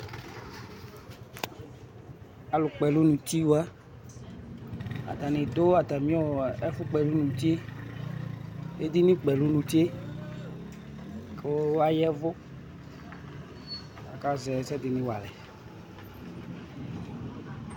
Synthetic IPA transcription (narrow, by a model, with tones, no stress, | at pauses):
a˨lʊ˨k͡pɛ˨lu˦nũ˨t͡ɕi˦wa˦ | a̰˨t̪a˨nɪ̃˨d̪o˦a˨t̪a˨mĩ˦ɔ˦ɛ˦fʊ˦k͡pɛ˨lu˦nũ˨t͡ʃe˦ | e˦d̪i˦nĩ˦k͡pɛ˨lu˦nũ˨t͡ʃe˦ | kʰe˦wa˦jɛ˦vʊ˦ | a˨ka˦zɛ˨sɛ˦d̪ɪ˨nɪ̃˦wa̰˨lɛ˨